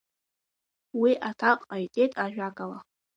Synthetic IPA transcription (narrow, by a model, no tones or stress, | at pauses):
wiʔatʰaqʼajtʼejtʼaʒᶣakʼala